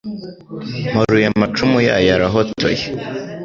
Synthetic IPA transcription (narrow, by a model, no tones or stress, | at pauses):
maɾujamat͡ʃumuja̰jaɾaɦotʰo̰je